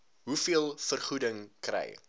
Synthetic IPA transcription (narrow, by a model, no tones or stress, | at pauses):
ɦufiəlˠfərχudəŋkrɛ̰j